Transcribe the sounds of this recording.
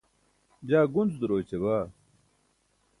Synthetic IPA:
d͡ʑaːɡunzd̪uɾoːt͡ɕebaː

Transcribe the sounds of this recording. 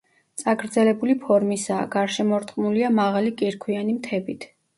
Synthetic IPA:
t̪sʼaɡɾd̪zɛlɛbulipʰɔɾmisaːɡaɾʃɛmɔɾt̪ʰʼχʼmuliamaʁalikʼiɾkʰwianimt̪ʰɛbit̪ʰ

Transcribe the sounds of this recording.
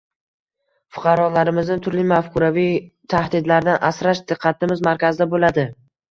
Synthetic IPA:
fʊ̥qʰɑɾɒlaɾɪmɪznɪt̪ʰʊɾlɪmafkʰʊɾavijt̪ʰahd̪ɪd̪laɾd̪anʔasɾaʃd̪ɨqʰːɑt̪ʰɪmɪzmaɾkʲʰazɪd̪abolad̪ɪ

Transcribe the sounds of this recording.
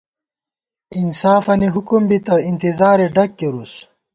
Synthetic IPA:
insaːfɐniɦukumbit̪ɐint̪izaːɾeɖɐkːeɾus

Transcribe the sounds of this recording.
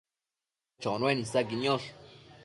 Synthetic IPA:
t͡ʃonwenisaɡinjoɬ

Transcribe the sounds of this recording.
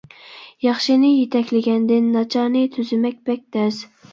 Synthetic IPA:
jɑχʃɪnɪjet̪ʰɛkʲlɪɡʲɛnd̪ɪnːɑt͡ʃʰɑnɨt̪ʰyzɪmɛk̚ʲbɛk̚ʲt̪ɛz

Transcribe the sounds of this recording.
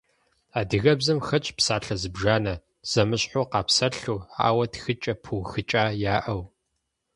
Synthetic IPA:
aːdɨɣɐbzɐmxɐt͡ʃʼpsaːɬɐzɨbʒaːnɐ | z̥ɐmɨɕħoqɑːpsɐɬuːa̰ːwɐtxɨt͡ʃʼɐpʰuxɨt͡ʃʼaːjaːʔɐw

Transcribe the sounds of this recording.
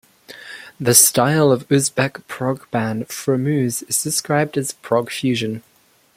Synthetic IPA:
ðəstaɪlˠəvʉzbɛkpʰɹ̥ɒɡb̥æ̃nfɹəmʉːzɪz̥dɪskɹaɪb̚dəz̥pʰɹ̥ɒɡ̥fjʉːʒə̃n

